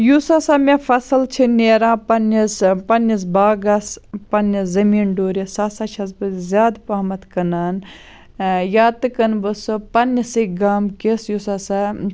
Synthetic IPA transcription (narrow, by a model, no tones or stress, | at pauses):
jusaːsaːmefɐsɨlt͡ʃʰineːɾãːpɐnɐspɐnɐs̬baːɡɐspɐnɐzɐmiːnɖoːɾisaːsaːt͡ʃʰɐs̬bɨzʲjaːd̪paːmɐt̪kɐnaːn | jaːt̪ɨkɐnbɨsɨpɐnɐsiɡaːmkesjusaːsa